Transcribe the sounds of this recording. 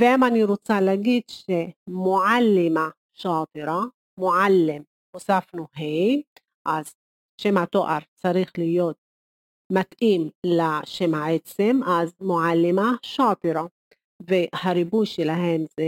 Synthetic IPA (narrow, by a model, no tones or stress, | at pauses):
veʔamaniɾot͡salaɡid̪ʃemoʕalːɪma | ʃaːt̪iɾa | moʕalːem | husafnuɦej | ʔaz | ʃemat̪oʔaɾˤt͡saɾiχlijoːt̪̚ | mat̪ʔimlaʃemaʕet͡semʔazmoʕalːimaʃapiɾa | vehaɾibujʃelaɦemze